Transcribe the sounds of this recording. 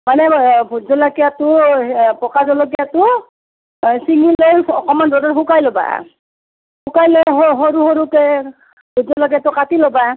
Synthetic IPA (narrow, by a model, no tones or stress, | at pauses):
manɛbʱuzɔlakijatʊpɔkazɔlɔɡ̬ijatʊ | siŋilojɔkɔmandɔdɔhukajlɔba̰ | hʰukajloɦɦoɹuhoɹukɛ | bʱuzɔlak̬ijatʊkatilɔba